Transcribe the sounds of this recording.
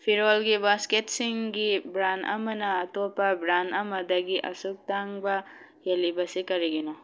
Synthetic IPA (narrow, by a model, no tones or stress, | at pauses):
pʰiɾolɡibasketsiŋɡibɾanɐ̰mɐnɐːtopːɐbɾanɐmɐdɐɡiʔɐ̰suk̚taŋbɐ | jelibɐsikɐɾiɡino